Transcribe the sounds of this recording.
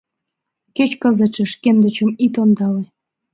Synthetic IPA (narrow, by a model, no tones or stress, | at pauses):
ket͡ɕkəzə̆t͡ʃə̆ʃkend̪ə̆t͡ɕə̆mit̪ond̪ɑle